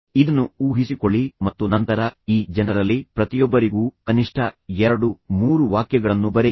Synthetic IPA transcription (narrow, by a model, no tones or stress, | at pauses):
id̪ɐnːuuːɦisiko̞ɭːimɐt̪ːunɐnt̪ɐɾɐiːd͡ʒɛnɐɾɐlːipɾɐt̪ijɔbːɐɾiɡuːkɐniʂʈʰɐɛɾɐɽumuːɾuʋaːkjɐɡɐɭɐnːubɐɾe